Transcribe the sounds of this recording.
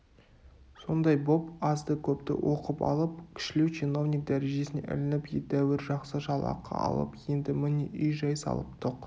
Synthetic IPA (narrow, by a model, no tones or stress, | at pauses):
so̞nd̪ɑjbo̞pɑzd̪əkʲʰɵpt̪ɪ̰wʔo̞qəpɑ̰lˠəp̚kʲʰɪ̥ʃɪlewt͡ʃʰino̞vnik̚d̪æɾe̞ʒe̞sɪnḛʔɪ̰lɪnɪpjet̪æwɪɾʒɑqsəʒɑlˠɑ̰qʰːɑ̰ɑ̰lˠə̰pje̞nd̪ɪmɪneʔʏjʒɑjsɑ̰lˠə̰p̚t̪ʰoq